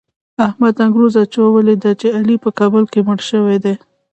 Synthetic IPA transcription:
ahmad̪aŋɡɾuzat͡ʃewawəled̪at͡ʃealipəkɑbəlkemʊɽʃəwed̪e

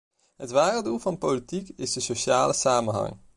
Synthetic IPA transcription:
ɦətʋaːrədulˠvɑnpolitikɪzdəsoʃaːləsaːmənɦɑ̰ŋ

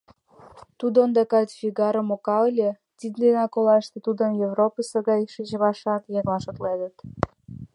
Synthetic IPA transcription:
t̪ud̪oond̪ɑkɑt̪ʲfʲiɣɑɾə̆mokɑlʲĕ | t̪ʲid̪d̪enɑkolɑʃt̪ĕt̪ud̪ə̆njevropəsɤ̆ɣɑjʃiʑə̆βɑʃɑt̪jɑŋlɑʃot̪led̪ə̆t̪

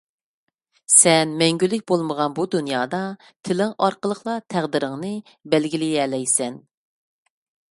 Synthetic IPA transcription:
sɛnmɛŋɡʲylːɪk̚ʲbolˠməʁɑnbud̪unjɑːd̪ɑ | t̪ʰɪlɪŋɑɾqəlˠəχlˠɑt̪ʰæʁd̪ɪɾɪŋnɨ | bɛlɡʲilɪɛlɛjsɛn

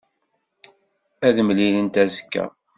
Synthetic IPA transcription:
æðmlilənt̪æzə̥kːæ̰

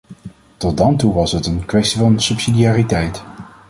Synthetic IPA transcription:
tɔt̚dɑntuʋɑsɦətənkʋɛstivɑnsɵpsidijaːritɛjt

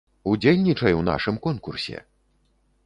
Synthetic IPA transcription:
ud͡zʲelʲnʲit͡ʂɐjwna̰ʂɨmkɔnkursʲɛ̰

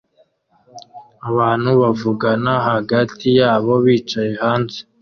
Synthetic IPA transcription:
aβaːn̥huβavuɡanaɦaɡatijaːβo̞βiːt͡ʃaje̞haːnze

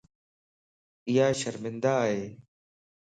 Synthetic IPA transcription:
ɪjaːʃəɾmɪ̃nd̪aːɦeː

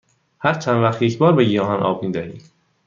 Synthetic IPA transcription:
hæɾt͡ʃʰænvæχt̪jecʰbɒːɾbeɡijɒːɦɒnʔɒ̰ːb̚miːd̪æhḭː

